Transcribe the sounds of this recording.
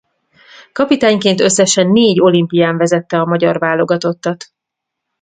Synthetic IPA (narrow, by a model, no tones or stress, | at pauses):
kɒpit̪aːɲkeːnt̪ø̞sːɛʃɛnːeːɟo̞limpijaːɱvɛzɛt̪ːɛɒmɒɟɒrvaːlo̞ɡɒt̪o̞t̪ːɒt̪